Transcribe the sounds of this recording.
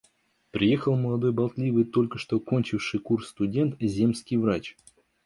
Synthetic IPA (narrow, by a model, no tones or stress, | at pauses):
pɾʲɪje̞xəlˠməlˠɐd̪o̞jbɐlˠt̪lʲivɨjt̪o̞lʲkəʂt̪oko̞nʲt͡ɕɪfʂɨjkursːt̪ʊdʲe̞nt̪zʲe̞mskʲɪjvɾat͡ɕ